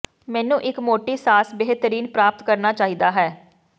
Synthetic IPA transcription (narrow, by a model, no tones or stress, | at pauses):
mɛ̃ːnũːʔɪkmoːʈiːsaːsbeɦt̪əɾiːnpɾaːp̚t̪kəɾnaːt͡ʃaːɦid̪aːɦɛː